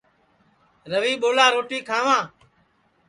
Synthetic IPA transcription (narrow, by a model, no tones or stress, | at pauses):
ɾəʋiːɓoːlaːɾoːʈiːkʰãːʋãː